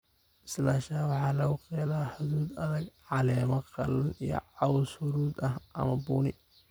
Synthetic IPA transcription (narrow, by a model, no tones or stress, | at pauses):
ʔɪ̥slaːʃaːwɑħɑːlɐɣʊqɛːlaːħʊðuːd̪ɐðɐɡʕɑlɛːmɐqɑ̰lɐnḭjɞ̰ʕɑwshʊɾuːd̪ɐhʔɐ̰mɐbuːnɪ